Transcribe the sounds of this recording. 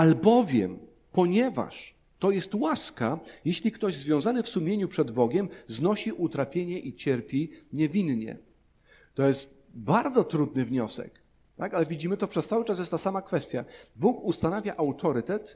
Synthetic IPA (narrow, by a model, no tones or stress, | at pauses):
albɔvʲjɛ̰m | pɔɲɛva̰ʂ | t̪ɔjɛst̪waskajeɕlʲikt̪ɔʑzvʲjɔ̃w̃zanɘfsumʲjeɲupʂɛd̪bɔɡʲɛmznɔɕiʔut̪ɾapʲjeɲɛʔit͡ɕɛɾpʲiɲɛvʲinɲɛ̰ | t̪ɔjɛst̪ | baɾd̪zɔt̪ɾud̪nɘvɲɔsɛ̰k | t̪akalɛvʲid͡ʑimɘt̪ɔpʂɛst̪awɘt͡ʂas̬jɛst̪asamakfɛst̪ʲjabukust̪anavʲjaʔawt̪ʰɔɾɘt̪ɛt̪